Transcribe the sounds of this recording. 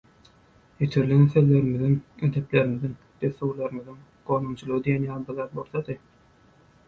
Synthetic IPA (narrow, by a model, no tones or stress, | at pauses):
jet̪ʰeɾlineθelːe̞ɾimiðiŋed̪e̞ple̞ɾimiðiŋ | d̪̥eθːoɣlˠɑɾɯmiðiŋ | qoːnumt͡ʃʰulˠɯʁɯd̪ijenjɑːlˠbiɾðɑːt̪̚boɾθɑd̪ɯ